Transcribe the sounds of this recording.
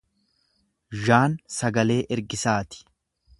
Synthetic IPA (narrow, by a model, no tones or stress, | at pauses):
ʒaːnsɐɡɐle̞ːʔɛɾɡɪsaːt̪ɪ̥